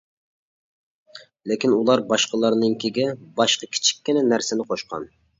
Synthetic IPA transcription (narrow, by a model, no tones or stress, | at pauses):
lɪkʲinulˠɑɾbɑʃqəlˠɑɾnɨŋkʲʰiɡʲɛbɑʃqɑkʲʰi̥t͡ʃʰi̥kʲːinɪnæɾsɪnɪqʰoʃqɑ̰n